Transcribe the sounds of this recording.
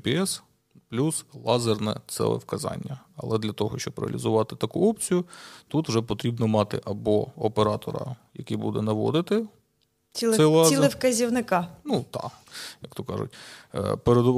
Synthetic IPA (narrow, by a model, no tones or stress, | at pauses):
peɛs | plʲuslˠɑzernɛ̰t̪sɛ̰lɛ̰wkɐzɑ̰nʲːɐ | ɐ̰lˠɛd̪lʲɐt̪ɔɦɔʃt͡ʃɔbɾɪ̰ɐ̰lʲizʊʋɑt̪ɪt̪ɐkuɔp̚t͡sʲijʊt̪ut̪wʐɛp̬ɔt̪ɾʲibnɔmɑt̪ɪ̰ʔɐbɔɔpeɾɑt̪ɔɾɐ̰jɐkibud̪ɛnɐʋɔ̰d̪ɪt̪ɪ | isɛlˠɑzilˠɛfkɐzʲiwnɪkɑnut̪ɑ̰ | jɐk̚t̪ɔkɑʒʊ̰tʲpeɾed̪